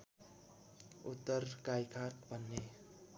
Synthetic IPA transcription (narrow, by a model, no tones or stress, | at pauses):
ut̪ːʌrkajkʰatbʱʌnːe